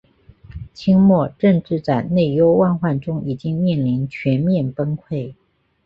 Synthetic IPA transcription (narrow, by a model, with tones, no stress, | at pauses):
t͡ɕʰi˥ŋmwɔ˥˧ʈ͡ʂɤ˥˧ŋʈ͡ʂɻ̩˥˧t͡sa˥˩ɪne˥˩ɪjo˥ʊwa˥˧nxwa˥˩nʈ͡ʂʊ˥ŋi˨˩t͡ɕi˥ŋmjɛ˥˩nli˧˥nt͡ɕʰɥɛ˧˥nmjɛ˥˩npə˥nkʰwe˥˩ɪ